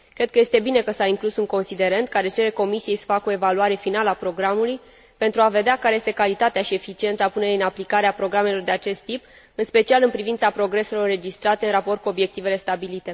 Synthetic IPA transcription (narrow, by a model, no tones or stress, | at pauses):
kɾe̞d̪̚kəje̞st̪e̞bine̞kəsaiŋklusuŋko̞nsid̪e̞ɾent̪̚kaɾe̞t͡ʃe̞ɾe̞ko̞misije̞jsə̥fako̞e̞valuaɾe̞finaləapɾo̞ɡɾamuluj | pe̞nt̪ɾuave̞d̪eakaɾe̞je̞st̪e̞kalit̪at̪eaʃie̞fit͡ʃie̞nt̪sapune̞ɾiɨnaplikaɾeapɾo̞ɡɾame̞lo̞rd̪e̞at͡ʃe̞st̪ːip | ɨnspe̞t͡ʃialɨnpɾivint̪sapɾo̞ɡɾe̞se̞lo̞rre̞d͡ʒist̪ɾat̪eɨnrɾapo̞rt̪̚kuo̞bje̞k̚t̪ive̞le̞st̪abilit̪e̞